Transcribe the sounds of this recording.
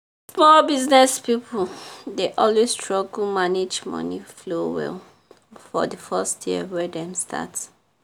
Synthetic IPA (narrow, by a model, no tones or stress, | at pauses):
smɔlbiznɛspipʰuldeʔɔlwesstʰɹɔɡl̩maned͡ʒmɔ̰niflowɛ̰l | fɔ̰dəfɛstʰjiə̰wɛdɛ̃mstʰa̰ts